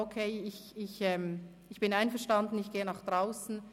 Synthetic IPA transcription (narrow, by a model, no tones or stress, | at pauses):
okʰeɪɪçɪçɛːm | ɪçb̥ɪnaɪnfɛɐʃtandn̩ɪçɡ̥eːənaχd̥ʁaʊsn̩